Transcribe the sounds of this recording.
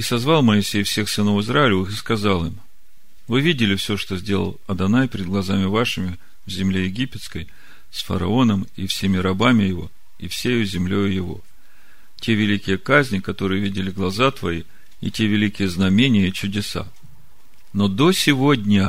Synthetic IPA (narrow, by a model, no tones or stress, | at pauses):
isɐzvɑlˠməɪsʲejfsʲe̞xsɨno̞fɨzraɪlʲɪvɨxɨskɐzalˠɨm | vɨvʲidʲɪlʲɪfsʲo̞ʂt̪o̞zʲdʲe̞lˠə̰lˠɐd̪ɐnajpʲɪɾʲɪd̪ɡlˠɐzamʲɪvaʂɨmʲɪ | vzʲɪmlʲejɪɡʲipʲɪt̪skəj | sfə̰ɾɐ̰o̞nəmifsʲemʲɪɾɐbamʲɪjɪvo̞̰ | ifsʲejzʲɪmlʲojʊjɪvo̞̰ | tʲe̞vʲɪlʲikʲɪjəkazʲnʲɪkɐt̪o̞ɾɨjəvʲidʲɪlʲɪɡlˠɐzat̪vɐi | ḭtʲe̞vʲɪlʲikʲɪjəznɐmʲenʲɪjəit͡ɕʊdʲɪsa̰ | no̞d̪o̞sʲɪvo̞dʲnʲə